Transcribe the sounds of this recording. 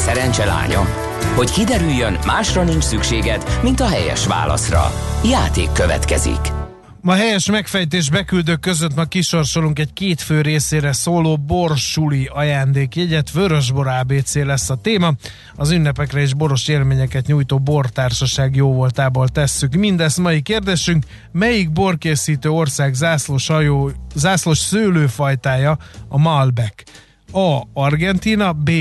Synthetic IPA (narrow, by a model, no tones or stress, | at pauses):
sɛɾɛnt͡ʃɛla̰ːɲɒ̰ | ho̞ckid̪ɛɾyjːønmaːʃrɒnint͡ʃsykʃeːɡɛt̪mint̪ɒɦɛjɛ̰ʃʋa̰ːlɒ̰srɒ̰jaːt̪ḛːkːøvɛ̰t̪kɛ̰zḭk | mɒɦɛjɛʃmɛkfɛjt̪eːʒbɛkyld̪øːkkːø̞zøt̪mɒkiʃo̞rʃo̞luŋkɛckeːt̪føːɾeːseːɾɛsoːloːbo̞rʃuliɒjaːnd̪eːkjɛɟɛt̪ʋøɾøʒboɾaːbeːt̪seːlɛsːɒt̪eːmɒ | ɒzynːɛpɛkrɛeːʒbo̞ɾo̞ʃeːlmeːɲɛkɛt̪ɲuːjt̪oːbo̞rt̪aːrʃɒʃaːɡjoːvo̞lt̪aːboːlt̪ɛsːykmind̪ɛst̪mɒjikeːrd̪eːʃyŋk | mɛjiɡ̚bo̞rkeːsiːt̪øːo̞rsaːɡzasloʃɒjozaːslo̞ʃsøːløːfɒjt̪aːjɒɒmɒlbɛk | ɒɒrɡɛnt̪inɒbeː